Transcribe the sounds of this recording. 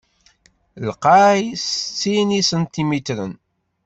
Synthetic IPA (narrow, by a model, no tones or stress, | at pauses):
lqajsət͡sːinisənt̪imit̪ɾə̰n